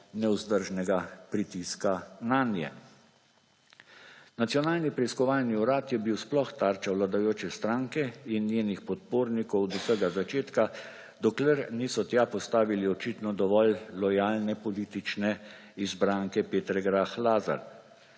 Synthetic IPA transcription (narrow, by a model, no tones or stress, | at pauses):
nɛuzd̪əɾʒnɛɡapɾit̪iskananjɛ̰ | nat̪sjɔnaːlnipɾɛiskɔʋaːlniuɾaːt̪jɛbiwsplɔxt̪aɾt͡ʃawlad̪ajoːt͡ʃɛst̪ɾaŋkɛinjeːnixpɔt̪̚poːɾnikɔwd̪usəɡazat͡ʃeːt̪ka | d̪ɔklɛɾniːsɔt̪japɔst̪aːʋiliɔt͡ʃit̪nɔd̪ɔʋɔllɔjaːlnɛpɔliːt̪it͡ʃnɛ | izbɾaŋkɛpeːt̪ɾɛɡɾaxlaːza̰ɾ